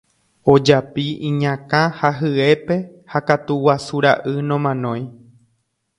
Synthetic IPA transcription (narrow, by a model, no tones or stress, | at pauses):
o̞d͡ʒapiĩɲãkãhaɦɨe̞pe̞ | hakat̪uwasuɾaʔɨnõmãnõ̞j̃